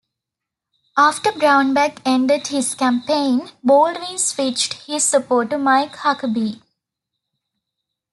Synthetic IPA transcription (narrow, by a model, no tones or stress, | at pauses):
aːfʈəbɾãʊ̃nbækẽɳɖeɖhɪzkæ̃mpẽːnboːlɖɾĩnsfiːt͡ʃɖhɪzsəpoːʈəmaɪkhakəbi